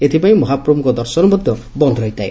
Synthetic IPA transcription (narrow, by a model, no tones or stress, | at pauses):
et̪ʰipaĩmɔɦapɾɔmukɔd̪ɔɾsɔnɔmɔd̪ʱjɔ | bɔnd̪ʱɾɔɦit̪ae